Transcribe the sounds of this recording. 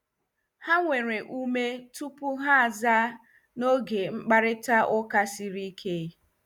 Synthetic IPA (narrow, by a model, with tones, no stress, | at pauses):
ha˦ŋʷe˨ɾe˨ʔu˦me˦tu˦pu˦ɦa˦a˨za˦ | no˦ɡe˨ŋ͡m̩˦k͡pa˦ɾɪ˦ta˦ʔʊ˦ka˦si˦ɾi˦kʰe˦˨˦